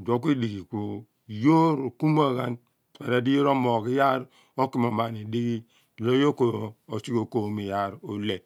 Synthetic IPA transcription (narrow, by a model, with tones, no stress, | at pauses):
dʷo˨˦k̬ʷi˦di˨ɡi˨ko˨ | jo˦ɾo˨ku˦m˦a˦˨ɣa˦n˨ | a˨ɾa˨di˦jo˦ɾo˦mo˨ki˦ja˦ɾ | o˦ki˦m˨o˨ma˨ni˨di˦ɡi˦˨ | lo˦jo˦ko˨o˨si˦ko˨ko˨mi˨ja˦˨ɾo˨le˨